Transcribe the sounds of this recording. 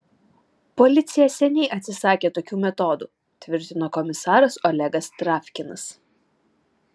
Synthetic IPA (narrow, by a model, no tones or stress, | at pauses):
pɔlʲɪt̪sʲɪjɛsʲɛnʲɛɪʔɐt̪ʲsʲɪsɑːkʲeːt̪oːkʲuːmʲɛt̪ɔːd̪ṵː | t̪ʲʋʲɪɾʲt̪ʲɪnoːkɔmʲɪsɑːɾɐsɔlʲɛɡɐst̪ɾɑːfʲkʲɪnɐs